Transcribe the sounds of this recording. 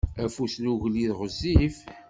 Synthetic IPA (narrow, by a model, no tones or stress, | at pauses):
æfusluʝliðʁəzːif